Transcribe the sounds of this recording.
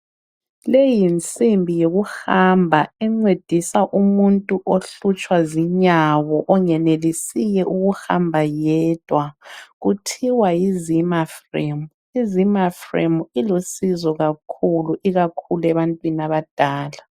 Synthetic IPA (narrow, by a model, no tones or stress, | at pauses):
lejint͡sʼimbʱijoɣuhambʱaɛŋ͡ǀed̥ʱisaʔumuntʼuʔoɬut͡ʃʼwaziɲawɔʔɔŋɛnelisijɛʔuɣuha̰mbʱajɛd̥ʱwaɣutʰiwajizimafremu | izimafrḛmuilosizɔɣakʰuluʔiɣakʰulɛβantʼwiniaβad̥ʱaːla